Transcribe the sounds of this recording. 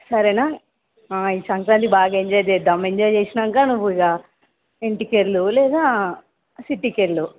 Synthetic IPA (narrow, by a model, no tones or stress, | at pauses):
sɐɾenaː | aːiːsɐŋkɾaːnt̪ibaːɡaeɲd͡ʒaːjd̪ed̪ɐmeɲd͡ʒaːjt͡ʃeːsinɐŋkaːnuʋːuiɡaː | eɳʈikeɾlulɛːd̪aː | siʈːikeɾlu